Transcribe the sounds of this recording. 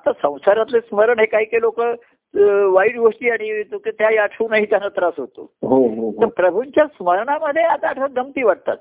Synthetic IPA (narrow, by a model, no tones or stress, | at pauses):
at̪asə̃w̃saɾat̪lesməɾəɳɦekaɦiːkelokə | ʋaiːɽɡoʂʈiːaɽ̃it̪uket̪jajaʈʰunaɦiːt̪janːət̪ɾasɦot̪o̰ɦoɦoɦt̪əɾpɾəbʱuɲt͡ɕjasməɾɳaməd̪ʱːjeat̪aːʈʰəɡəmt̪iːʋaɽ̚t̪a̰t̪̚